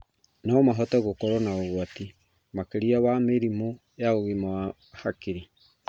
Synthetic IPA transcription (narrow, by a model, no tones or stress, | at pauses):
namaɦɔtɛɣokɔɾɔnaoɣwati | makeɾiawameɾimo | jaoɣema | hakiɾi